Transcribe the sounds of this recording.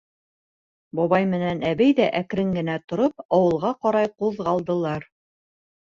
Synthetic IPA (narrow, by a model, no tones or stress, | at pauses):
bɒβɑjmɘ̆nænæβɘjðæʔækɾɘŋɡɘ̆næt̪ŏɾop̚ɑwɤ̆lˠʁɑqɑɾɑjquðʁɑlˠd̪ɤ̆lˠɑɾ